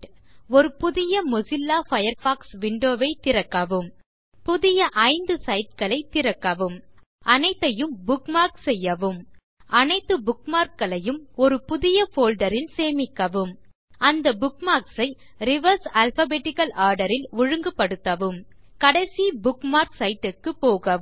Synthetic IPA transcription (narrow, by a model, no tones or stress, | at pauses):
ɔɾɯpʊðɪjɐmʊsɪlːaːfɐjɐɾfaːksʋɪɳɖoːʋɐɪt̪ːɪɾɐkːɐʋɯm | pʊðɪjɐʔɐɪnd̪ɯsɐɪʈ̚kɐɭɐɪt̪ːɪɾɐkːɐʋɯm | ʔɐnɐɪt̪ːɐjɯmbʊkmaːɾksɛjːɐʋɯm | ʔɐnɐt̪ːɯbʊkmaːɾkːɐɭɐjɯmɔɾɯpʊðɪjɐfoːlɖɐɾɪnseːmɪkːɐʋɯm | ʔɐnd̪ɐbʊkmaːɾksɐɪ | ɾɪʋɐɾsɐlfɐbeːʈːɪkɐlʔaːɾɽɐɾɪlʊɻɯŋɡɯpːɐɽɯt̪ːɐʋɯm | kɐɽɐɪsibʊkmaːɾksɐɪʈːɪkːɯpoːɣɐ